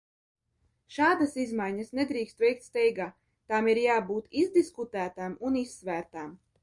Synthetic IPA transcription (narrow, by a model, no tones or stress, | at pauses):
ʃaːd̪asizmajɲɐsned̪ɾiːkst̪vɛjk̚t̪st̪ɛjɡaː | t̪amiɾjaːbuːt̪izd̪iskut̪æːt̪amunisːvæːɾt̪am